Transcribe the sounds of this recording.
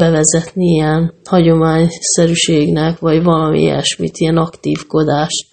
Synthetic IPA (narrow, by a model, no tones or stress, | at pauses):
bɛvɛzɛt̪niijɛnhɒɟo̞maːɲsɛɾyʃeːɡnɛkʋɒɟvɒlɒmḭɛ̰ʃmḭt̪iɛnɒkt̪iːfko̞d̪aːʃt̪